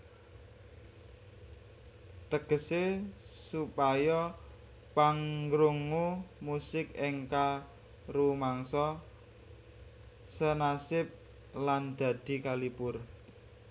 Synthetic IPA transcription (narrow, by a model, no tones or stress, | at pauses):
t̪əɡ̥əsesupajɔ | paŋɾuŋumusɪkɪŋka | ɾumaŋsɔ | sənasɪp̚ | land̪̥a̤d̪̥i̤kalipʊr